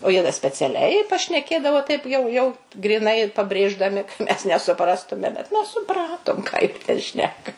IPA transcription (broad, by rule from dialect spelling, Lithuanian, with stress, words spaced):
oː ˈjiɛ dɐ sʲpʲɛt͡sʲɛˈlʲɛɪ pɐʃʲnʲɛˈkʲeːdɐʋoː tɐɪp jɛʊ ˈjɛʊ ɡrʲiːˈnɐɪ pɐbʲrʲeːʒdɐˈmʲɪ kɐ ˈmʲɛs nʲɛsʊˈprɑːstʊmʲɛ bʲɛt ˈmʲɛs sʊˈprɑːtoːm kɑː ˈjiɛ ˈtʲɛn ˈʃʲnʲæːkɐ